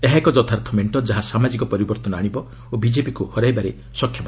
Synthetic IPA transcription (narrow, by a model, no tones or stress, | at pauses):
eɦaekɔd͡ʒɔt̪ʰaɾt̪ʰɔmeɳʈɔd͡ʒaɦasamad͡ʒikɔpɔɾibɔɾt̪ɔnɔaɽ̃ibɔ | obid͡ʒepikuhɔɾajbaɾe | sɔkʰjɔma